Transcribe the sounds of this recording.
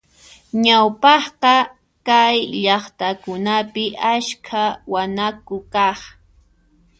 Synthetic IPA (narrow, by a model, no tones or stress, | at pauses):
ɲawpɑχqɑ | kajʎɑχt̪akʊnapɪʔaskʰawanakʊkɑχ